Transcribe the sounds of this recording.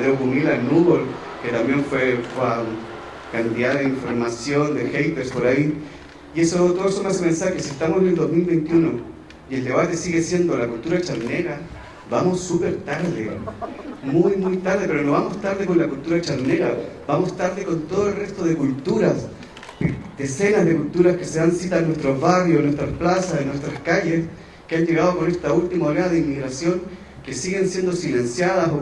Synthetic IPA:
ðeoɣunilanuβol | ket̪ambje̞ɱfwefaŋ | kant̪iðaðeiɱfoɾmasjo̞nd̪exejp̪eɾspo̞ɾai | jesot̪oðesomesomensaxesiest̪amosield̪o̞zmilβe̞jnt̪juno̞ | ie̞ld̪eβat̪esiɣesje̞nd̪olakult̪uɾat͡ʃaɾneɾa | bamo̞sːupe̞ɾt̪aɾðe | mujmujt̪aɾðepe̞ɾonoβamo̞st̪aɾðeko̞nlakult̪uɾat͡ʃaɾneɾab̥amo̞st̪aɾðeko̞nt̪oð̞oelre̞st̪o̞ðekult̪uɾas | d̪̥ese̞nazðe̞kult̪uɾaskeseðansit̪anːwe̞st̪ɾozβarjosnːwe̞st̪ɾasplasasenːwe̞st̪ɾaskaʝe̞s | keanʝe̞ɣaðoko̞ne̞st̪ault̪imaoɾeaðeimːiɣɾasjo̞ŋ | kesiɣensje̞nd̪o̞silensjaðaso

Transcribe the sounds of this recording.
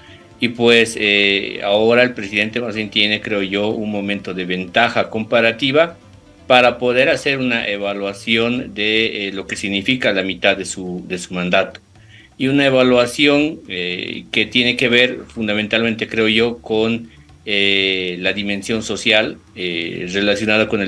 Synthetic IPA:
ipwesea̰o̞ɾae̞lpɾesiðe̞nt̪e̞mazβjent̪je̞ne̞kɾe̞oʝo̞unmõ̞mẽnt̪oðeβe̞nt̪axako̞mpaɾat̪iβa | paɾapo̞ðe̞ɾase̞ɾunaʔe̞βalwasjo̞nd̪elo̞ke̞siɣnifikalamit̪aðe̞suðe̞sumãnd̪at̪o̥ | iunaeβalwasjo̞ŋeke̞t̪je̞ne̞ke̞βe̞ɾfund̪amẽnt̪alment̪e̞kɾe̞oʝo̞ko̞n | elaðimẽ̞nsjo̞nso̞sjal | re̞lasjo̞naðako̞ne

